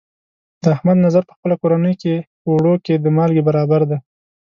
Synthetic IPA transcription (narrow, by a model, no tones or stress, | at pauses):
d̪̥əahmad̪nazaɾpə̥xpəlakoɾanəjkepəwɽoked̪əmɑlɡebaɾɑbaɾd̪a